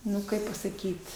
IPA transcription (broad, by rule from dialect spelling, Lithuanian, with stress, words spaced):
ˈnʊ ˈkɐɪp pɐsɐˈkʲiːt